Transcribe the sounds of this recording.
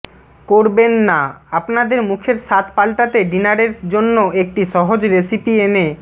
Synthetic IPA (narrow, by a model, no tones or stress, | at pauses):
koɾbenːaapnad̪eɾmukʰeɾʃat̪palʈat̪eɖinaɾeɾd͡ʑonːoek̚ʈiʃɔɦod͡ʑɾesipiene